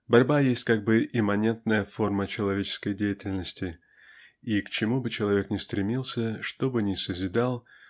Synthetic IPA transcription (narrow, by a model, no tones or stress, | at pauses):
bɐɾʲbajesʲtʲkaɡ̚bɨʔɪmɐnʲe̞nt̪nəjəfo̞rmət͡ɕɪlˠɐvʲet͡ɕɪ̥skəjdʲejɪtʲɪlʲnəsʲtʲɪ | ikt͡ɕɪmubɨt͡ɕɪlˠɐvʲe̞knʲɪst̪ɾʲɪmʲilˠsʲəʂt̪o̞bɨnʲɪsəzʲɪd̪alˠ